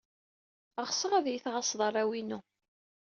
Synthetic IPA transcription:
əʁsəʁæðjiθʁɑsˤðˤɑrˤæwinu

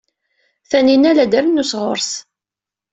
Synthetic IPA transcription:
θæninælæd̪əɾnːusʁʊɾs

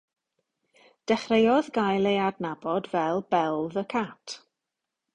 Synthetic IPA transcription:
d̥ɛχrejɔðɡajlˠejadnabɔdvɛlˠbɛlˠðəkʰatʰ

